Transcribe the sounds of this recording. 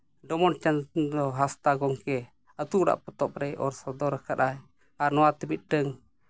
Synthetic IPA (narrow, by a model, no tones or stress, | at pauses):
ɖɔmɔnt͡ʃandɔɦast̪aɡɔŋkɛ | ət̪uʔɾa̰ʔpɔt̪ɔp̚ɾɛjʔɔ̰ɾsɔd̪ɔɾəkat̪aj | aɾnɔwat̪əmit̪̚ɖəŋ